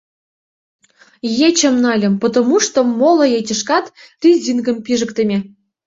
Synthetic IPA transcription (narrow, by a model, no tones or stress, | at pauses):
jet͡ɕə̆mnɑlʲə̆mpŏt̪omuʂt̪omolˠŏjet͡ɕʲə̆ʃkɑt̪rʲizʲinɡə̆mpʲiʐə̆kt̪ə̆mʲe